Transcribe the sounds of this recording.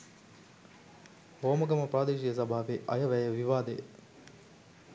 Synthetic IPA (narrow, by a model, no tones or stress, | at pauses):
ɦoːmɐɡɐməpɾaːd̪eːʃijəs̬ɐbʱaːʋeʔɐ̰jəʋæjəʋiʋaːd̪ej